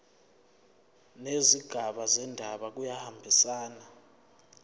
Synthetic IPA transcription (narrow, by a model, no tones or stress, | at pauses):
neziɡ̥ʱaɓazɛndʱaɓak̬ujahambʱisaːna